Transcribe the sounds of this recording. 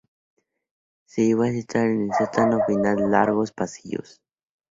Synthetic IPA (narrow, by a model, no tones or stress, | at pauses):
siwasit̪aɾinisat̪anopinallaɾɣospasijo̰s